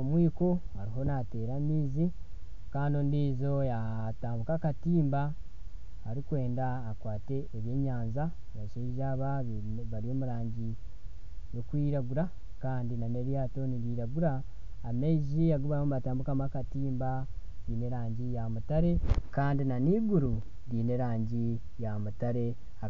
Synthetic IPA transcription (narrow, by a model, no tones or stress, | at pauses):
omwiːko̞haɾiɦo̞nate̞ɾamiːzi | kaːndondiːzo̞ja | taːmbukakatiːmba | aɾikwe̞ːndaːkwaːte̞ːβje̞ːɲaːnza | βaʃeʒaβa | βaɾio̞ːmuɾaːɲɟi | jo̞kwiːɾaɡuɾa | kaːndinane̞ɾjaːto̞niɾiːɾaɡuɾaː | meʒijaɡuβamuβataːmbukamakatiːmba | ɾiːne̞ɾaːɲɟijamutaɾe̞kaːndinaniːɡuɾu | ɾiːne̞ɾaːɲɟi | jamutaɾe̞ | a